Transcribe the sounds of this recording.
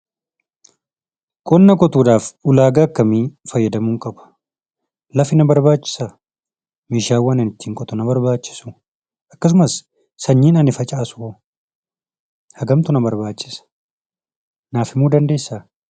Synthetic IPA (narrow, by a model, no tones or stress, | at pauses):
kʼɔnːɐkʼɔt̪uːᶑaːfʊlaːɡaːkːɐmiːfɐjːɐd̪ɐmuːŋkʼɐbɐ̥ | lɐfɪnɐbɐɾbaːt͡ʃːɪ̥sɐ | miːʃaːwːɐnɪnɪt̪ːiːŋkʼɔt̪ɔnɐbɐɾbaːt͡ʃːɪ̥su | ʔɐkːɐs̬ʊmɐs | sɐɲːiːnɐnɪfɐt͡ʃʼaːsʊ | hɐɡɐmt̪ʊnɐbɐɾbaːt͡ʃːɪ̥sɐ̥ | naːfɪmuːd̪ɐnd̪e̞ːsːa